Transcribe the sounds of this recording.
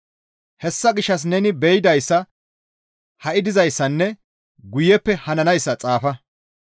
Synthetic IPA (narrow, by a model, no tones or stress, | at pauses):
hɛsːɐɡɪʃːɐs̬nɛnɪbɛjɪd̪ɐjsːɐ | hɐʔɪd̪ɪzɐjsːɐnːɛ | ɡʊjɛpːɛhɐnɐnɐjsːɐt͡sʼaːfɐ